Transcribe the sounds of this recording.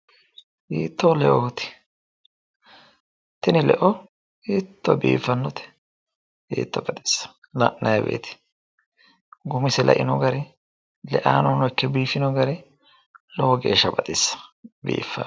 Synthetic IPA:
hiːt̪ːɔlɛʔot̪ɪ̥ | t̪ɪnɪlɛ̰ʔɔ | iːt̪ːɔbḭːfːɐnːɔt̪ɛ̥ | hḭːt̪ːɔbɐd̪ɪ̥sːɐ̥ | lɐ̰ʔnːɐjɐbḛːt̪ɪ̥ | ɡʊmɪsɛlɐ̰ʔɪnɔɡɐɾɛ | lɛʔaːnɔnɔjkːɛbiːfɪnɔɡɐɾɛ | lɔwɔɡe̞̰ːʃːɐbɐt̪ʼɪsːɐ̥bḭːfːa

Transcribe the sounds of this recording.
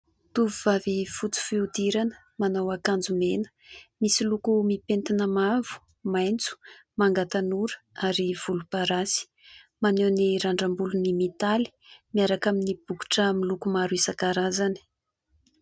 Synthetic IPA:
t̪uvuvavifut͡si̥fiud̪iɾanə̥ | manawakand͡zumenə̥misilukumipent̪inəmavu̥ | majnt͡su̥maŋɡat̪anuɾə̥ | aɾiv̥ulupaɾasi̥ | manewniɾaɳɖ͡ʐambulunimit̪ali̥miaɾakaminib̥uku̥ʈ͡ʂəmilukumaɾuisakaɾazani̥

